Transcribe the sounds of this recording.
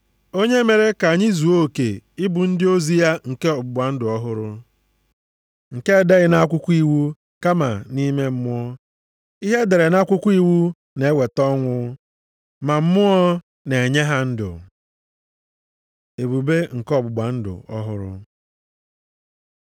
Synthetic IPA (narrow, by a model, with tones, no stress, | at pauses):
o˦ɲe˦me˨ɾe˦ka˨ɲɪ˦zu˨o˦˨ke˨ɪ˦bʊ˨n̩˦dɪ˦o˦zi˦ja˦ŋ̩˨ke˦ɔ˨bʊ˨ɡ͡ba˨n̩˦dʊ˨ɔ˦ɦʊ˦ɾʊ˦ | ŋ̩˨ke˦˨de˦ɣɪ˨na˦kʷʊ˦kʷu˦i˦wu˦ | ka˦ma̰˨ni˦me˦m̩˦mʊ˦ɔ˦ | i˦ɦe˦de˨ɾe˨na˦kʷʊ˦kʷu˦i˦wu˦ | ne˨e˦we˨tɔ˦ŋʷʊ˦ | ma˨m̩˦mʊ˦ɔ˦ | ne˨e˨ɲe˦ɦa˦n̩˦dʊ̰˨ | e˨bu˨be˦ŋ̩˨kɔ˦bʊ˨ɡ͡ba˨n̩˦dʊ̰˨ɔ̰˦ɦʊ̰˦ɾʊ̰˦